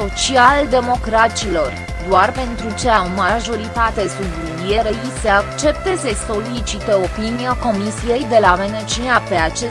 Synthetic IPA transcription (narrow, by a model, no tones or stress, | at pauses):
o̞t͡ʃiald̪e̞mo̞kɾat̪silo̞r | d̪oarpe̞nt̪ɾut͡ʃeaomaʒo̞ɾit̪at̪e̞subludieɾeiseakt͡ʃe̞p̚t̪e̞ze̞so̞lit͡ʃit̪eo̞piniako̞misije̞jd̪e̞lave̞net͡ʃeape̞at͡ʃe